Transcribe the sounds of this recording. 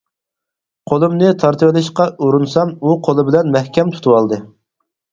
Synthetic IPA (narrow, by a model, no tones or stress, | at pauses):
qʰolˠɨmnɨt̪ʰɑɾt̪ʰɨwɪlɪʃqɑuɾunsɑmuqʰolˠɨbɪlɛnmɛhkʲɛmt̪ʰu̥t̪ʰuwɑlˠd̪ɨ